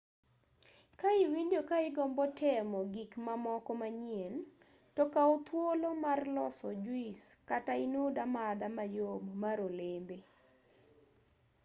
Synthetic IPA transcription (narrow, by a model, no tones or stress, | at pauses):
kaɪwindjokaɪɡɔmbɔtʰɛmɔɡikmamɔkɔmaɲjen | tɔkaot̪wolomarlɔ̰sɔd͡ʒwiskataɪnodamad̪amajommaɾolembe